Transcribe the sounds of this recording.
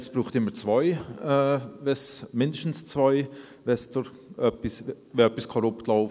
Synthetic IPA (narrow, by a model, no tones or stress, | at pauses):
sb̥ɾuːχt̪ɪmːət͡svaɪɛːvɛsmɪndəʃtn̩st͡svaɪ | vɛst͡sʊ | œpis | vɛœpiskʰɔɾʊptlaʊf